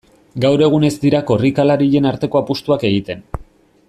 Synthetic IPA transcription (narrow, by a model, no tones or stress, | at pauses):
ɡawɾe̞ɣ̞une̞zd̪iɾako̞rikalaɾiʎe̞naɾt̪e̞ko̞apust̪uake̞ɣit̪e̞n